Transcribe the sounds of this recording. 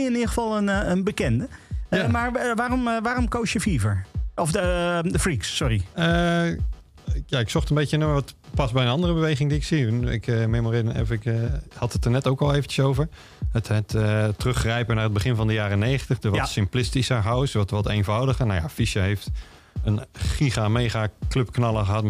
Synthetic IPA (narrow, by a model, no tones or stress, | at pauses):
ɪniːdəχəfɑlˠənənbəkɛndəjamaɹʋaːrɔmʋaːrɔmkowsjəfivəɹɔfəəfriksːɔriə | jaɪksɔχtənbejtənəmʋɔtpɑsbɛjənɑndərəbəʋejχɪŋdiɪksiɪ̰kmemoridə̰fɪkhɑtətəɹnɛtowkɔlˠeːvən̩cəsowvəɹ | əthɛtətərɵχrɛjpənaːrəd̚bəχɪnvɔndəjaːrənejχəntəχdəɹʋɔtsɪmplɪstisəɦawsʋɔtʋɔtejnvɔwdəχənaja̰fisəɦejft | ənχiɣameːχakløpknɑlˠəχəɦɑt